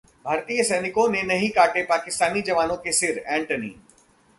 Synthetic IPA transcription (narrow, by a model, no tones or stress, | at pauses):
bʱaːɾt̪ijəsɛːnɪkõnenɐɦĩkaːʈepaːkɪst̪aːnid͡ʒɐʋaːnõkesɪɾɛ̃ːɳʈənḭː